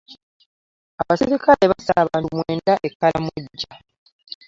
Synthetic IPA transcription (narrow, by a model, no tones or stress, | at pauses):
aβasiɾikʰale̞βasaβaːnumweːndaʔe̞kːalamwuɟːa